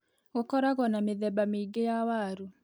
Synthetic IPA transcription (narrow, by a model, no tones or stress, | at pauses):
ɣokɔɾaɣɔnameðɛbameiɡejawaɾu